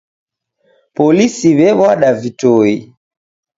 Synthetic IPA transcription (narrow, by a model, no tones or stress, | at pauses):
pɔlisiβɛβwaɗavitɔi